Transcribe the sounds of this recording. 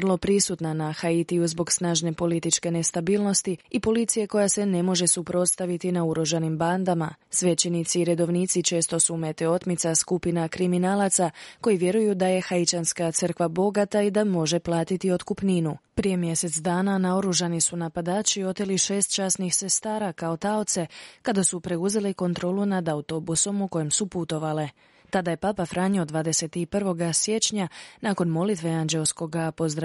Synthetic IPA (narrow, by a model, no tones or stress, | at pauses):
rlˠo̞pɾisut̪nanaxait̪iuzbo̞ɡsnaːʒne̞po̞lit̪it͡ʃke̞ne̞st̪abiːlˠno̞st̪iipo̞lit̪sijeko̞jase̞ne̞mo̞ʒe̞supɾo̞t̪st̪aʋit̪inauɾoʒanimband̪amasʋe̞t͡ʃenit̪siːɾe̞d̪o̞ʋniːt̪sit͡ʃe̞ːst̪o̞sume̞t̪eo̞t̪mit̪saskupinakɾiminaːlat̪sako̞jiʋje̞ɾujud̪aje̞xait͡ʃanskat̪sərkʋabo̞ɡat̪aid̪amo̞ʒe̞plˠaːt̪it̪io̞t̪kupniːnupɾije̞mje̞se̞t̪sd̪aːnanao̞ɾuʒanisunapad̪aːt͡ɕio̞t̪eliʃe̞ːst̪̚t͡ʃaːsnixse̞st̪aːɾakao̞t̪aot̪se̞kad̪asupɾe̞uze̞liko̞nt̪ɾo̞lunad̪aut̪o̞buso̞muko̞jemsuput̪o̞ʋale | t̪ad̪aje̞papafɾaːɲio̞d̪ʋaːd̪e̞se̞t̪ipr̩ʋo̞ɡasje̞t͡ʃɲanaːko̞nmo̞lit̪ʋe̞and͡ʒe̞lsko̞ɡapo̞zd̪ɾa